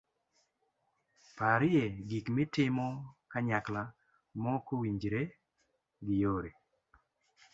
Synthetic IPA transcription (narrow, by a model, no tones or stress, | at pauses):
paɾɪeɡikmɪtɪmɔkaɲakla | mɔkowiɲd͡ʒɾe | ɡɪjoɾe